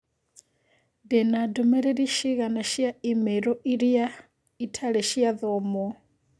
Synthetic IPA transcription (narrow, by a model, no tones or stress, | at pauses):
dɛnadɔmɛɾɛɾiʃiɣanaʃijaimɛɾɔʔiɾija | itʰaɺɛʃijaðɔːmɔ